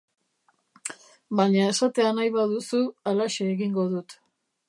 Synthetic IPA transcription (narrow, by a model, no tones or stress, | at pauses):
baɲae̞sat̪e̞anajβaðusualaʃeːɣiŋɡo̞ðut̪